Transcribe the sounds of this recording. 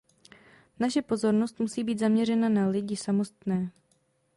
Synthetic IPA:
naʃɛpo̞zo̞ɾno̞st̪musiːbiːt̪zamɲɛrɛnanalɪɟɪsamo̞st̪nɛː

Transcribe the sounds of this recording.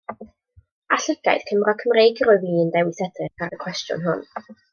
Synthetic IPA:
aɬəɡ̥a̰jd̥kʰəmrɔkʰəmrejɡiɾɔjviːəndɛwɪsɛdɪχʰaɾəkʰw̥ɛstjʊ̰nɦʊ̰n

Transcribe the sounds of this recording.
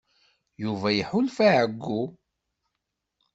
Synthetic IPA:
juvæjəħʊlfaʕəɡːu

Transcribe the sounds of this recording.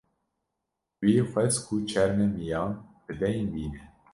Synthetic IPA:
wiːxʷɛzkʰut͡ʃʰɛɾmɛmijɑːnb̥̪ɨd̪ɛjnbiːnɛ

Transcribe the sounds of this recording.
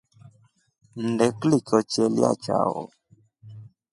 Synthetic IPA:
ndɛklikɔt͡ʃɛlja̰t͡ʃa̰wɔ̰

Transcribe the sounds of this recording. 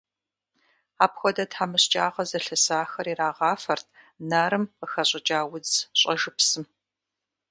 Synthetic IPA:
aːpxʷɔdɐtħaːmɨɕt͡ʃʼaːʁɐzɐɬɐsaːxɐɾiraːʁɑːfɐrtʰ | naɾɨməxɐɕʼɪt͡ʃʼaːwʊd͡zɕʼɐʒɨpsɨm

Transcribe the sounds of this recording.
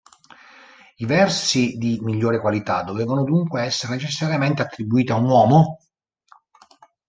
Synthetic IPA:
ivɛrsid̪imiʎːoːɾekwalit̪ad̪ːoveːvanod̪uŋkweɛsːeɾenet͡ʃesːaɾjament̪eat̪ːɾibːuiːt̪iaunwɔːmo

